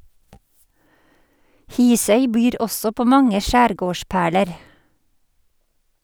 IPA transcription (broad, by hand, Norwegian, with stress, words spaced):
ˈhiːsœʏ ˈbyːɾ ˈɔsɔ ˈpoː ˈmɑŋə ˈʃæːɾˌɡoːˌʃpæːɭəɾ